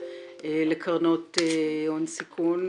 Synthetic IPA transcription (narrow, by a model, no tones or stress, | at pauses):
elekʰaʁnoteonsikʰun